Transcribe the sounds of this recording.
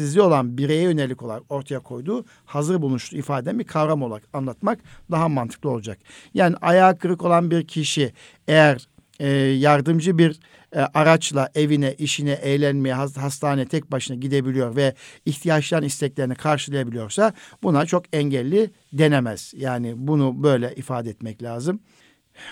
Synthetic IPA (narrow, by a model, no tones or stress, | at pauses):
izlʲio̞lˠanbiɾejɛjø̞nelʲiko̞lˠaɾako̞ɾt̪ʰajakʰo̞jd̪uː | hazɯɾbulˠuʃt̪ʰuifaːd̪eɛnbiɾkʰavɾamolˠakanlˠat̪makd̪aɦamant̪ʰɯ̥klˠɯo̞lˠud͡ʒakjaːniʔajaːkʰɯɾɯko̞lˠanbiɾcʰiʃi | ejæɾ | jaɾd̪ɯmd͡ʒɯbiɾ | ʔaɾat͡ʃlˠaʔe̞vinɛʔiʃinɛʔɛjlʲænmejɛɦaɦast̪ʰaːnejɛt̪ʰɛc̚baʃɯnaɟid̪e̞bilʲijo̞ɾvɛiçt̪ʰijat͡ʃlˠaɾɯnist̪ʰɛclʲe̞ɾinikʰaɾʃɯlˠajabilʲijo̞ɾsabunat͡ʃʰo̞kɛɲɟælʲːi | d̪e̞nemɛz̥jaːnɪbunubø̞jlʲɛʔifaːd̪ɛɛt̪mɛclʲaːzɯm